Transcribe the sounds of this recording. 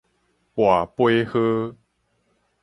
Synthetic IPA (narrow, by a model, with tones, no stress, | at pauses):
pwa˨˩pwe˦hɤ˦